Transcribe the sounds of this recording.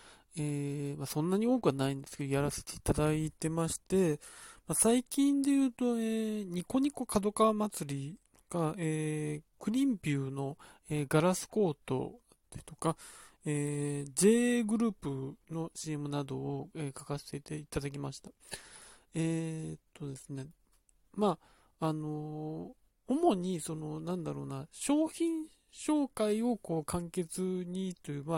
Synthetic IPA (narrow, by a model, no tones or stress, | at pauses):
emasõ̞nːaɲ̟io̞ːkɯ̟βanaĩnd̪e̞sɨ̥ke̞d̪ojaɾase̥t̪e̞it̪ad̪ait̪e̞maɕi̥t̪e̞masaikʲĩnd̪e̞jɯ̟ːt̪o̞eːɲ̟iko̞ɲ̟iko̞kad̪o̞kamat͡sɨɾʲi | ɡ̥aeːkɯ̟ɾʲĩmpʲɯːno̞ | eːɡaɾasɨ̥ko̞ːt̪o̞̰ | t̪et̪o̞̥kaeːd͡ʑe̞ːɡɯ̟ɾɯ̟ːpɯ̟no̞ɕiemɯ̟nad̪o̞ːeːkḁkase̥e̞t̪e̞it̪ad̪ak̬ʲimaɕi̥t̪ḁ | et̪ʰːo̞d̪e̞sɨne̞ | ma | ano̞ | omo̞ɲ̟iso̞no̞nãnd̪aɾo̞̰ːnaɕo̞ːçĩɰ̃ | ɕo̞ːkaio̞ko̞ːkãŋke̞t͡sɨɲ̟it̪ːojɯma